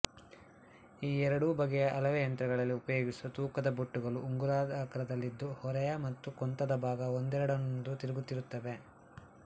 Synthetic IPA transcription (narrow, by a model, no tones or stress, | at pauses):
iːɛɾɐɽubɐɡɛjɐʔɐlɐʋejɐnt̪ɾɐɡɐɭɐlːiupɐjoːɡisut̪uːkɐd̪ɐboʈːuɡɐɭuʔːŋɡuɾaːd̪ʱaːkɐɾɐd̪ɐlːid̪ːuhɔɾɛjɐmɐt̪ːukɔnt̪ɐd̪ɐbʱaːɡɐond̪ɛɾɐɽɐnnd̪ut̪iɾiɡut̪ːiɾut̪ːɐʋe̞